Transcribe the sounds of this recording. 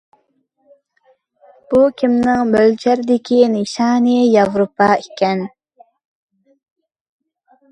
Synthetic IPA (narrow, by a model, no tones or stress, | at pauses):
b̥ukʲʰimnɪŋmølt͡ʃʰæɾɪd̪ɪkʲiniʃɑːnijɑvɾopɑikʲʰɛn